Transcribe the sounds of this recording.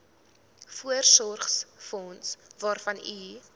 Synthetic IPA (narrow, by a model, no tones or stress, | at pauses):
fuərsɔrχsfɔnsvɑːrfɐny